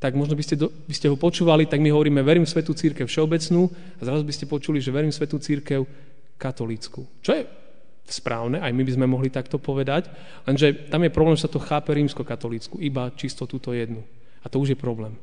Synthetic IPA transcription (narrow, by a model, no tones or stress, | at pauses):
t̪aɡmɔʒnɔbiscɛd̪ɔ | biscɛɦɔpɔt͡ʃuːʋalit̪aɡmiɦɔʋɔɾiːmɛʋɛɾimsʋɛt̪ut͡siɾkɛʊfʃɛɔbɛt͡snuː | azɾazubiscɛpɔt͡ʃuliʒɛʋɛɾimsʋɛt̪ut͡siɾkɛʊ | kat̪ɔliːt͡sku | t͡ʃɔjɛ | spɾaːʊnɛʔajmibizmɛmɔɦlit̪akt̪ɔpɔʋɛd̪ac | lɛnʒɛt̪amjɛpɾɔblɛːmʒɛsat̪ɔxaːpɛɾiːmskɔkat̪ɔliːt͡skuibat͡ʃist̪ɔt̪uːt̪ɔjɛd̪nu | at̪ɔuʒjɛpɾɔblɛːm